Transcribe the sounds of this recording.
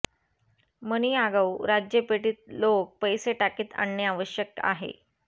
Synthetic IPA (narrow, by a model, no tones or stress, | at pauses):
məniaɡəwɾad͡ʑjəpeʈiːt̪̚lok̚pəjseʈakiːt̪a̰ɳːjəaʋəɕjək̚a̰ɦḛ